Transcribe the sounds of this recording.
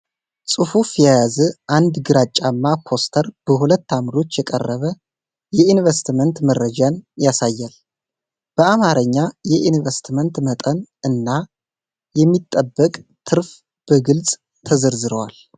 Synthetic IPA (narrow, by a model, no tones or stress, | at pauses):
sʼɨfufjajazəʔand̪ɡɨɾat͡ʃʼːamːakʰo̞st̪ʰəɾb̥əɦulət̪ːamɾo̞t͡ʃːjɛkʼə̰rːəβə | jɛinvəst̪mənt̪mərːəd͡ʒanjasajːal | b̥əamaɾəɲːajɛʔinvest̪ʰmənt̪mət̪ʼənɨnːa | jɛmːit̪ʼːəbːəkʼt̪ʰɨɾf | b̥əɡɨlsʼ | t̪ʰəzəɾzɨɾəwal